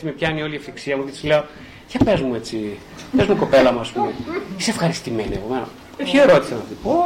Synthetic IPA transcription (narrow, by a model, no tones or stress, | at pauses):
simepçɐinio̞liɐfiksiɐmuket̪i̥sleo | çɐpe̞zmuet͡si | pezmuko̞pe̞lɐmuɐspumeisefxɐɾist̪imeniepo̞meno̰ | pçieɾo̞t̪isɐnɐipo